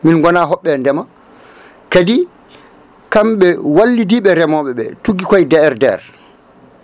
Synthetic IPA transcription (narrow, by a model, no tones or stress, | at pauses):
minɡɔnaɦɔɓːɛndɛma | kadi | kamɓɛwalːidiɓɛɾɛmɔɓɛɓɛtuɡikɔjdɛɾdɛɾ